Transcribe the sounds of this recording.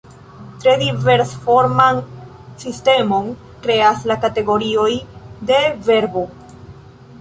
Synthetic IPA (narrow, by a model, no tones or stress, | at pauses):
tɾe̞dive̞ɾsfo̞ɾman | siste̞mo̞n | kɾe̞aslakate̞ɡo̞ɾio̞jde̞ve̞ɾbo